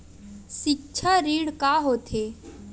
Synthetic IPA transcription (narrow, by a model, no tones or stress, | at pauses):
ʃik̚t͡ʃʰaɾiːɽkaɦoːt̪ʰe